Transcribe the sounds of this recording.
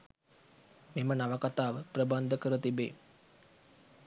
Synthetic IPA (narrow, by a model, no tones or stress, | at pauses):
memənaʋəkat̪aːʋəprəband̪ʱəkəɾət̪ibḛː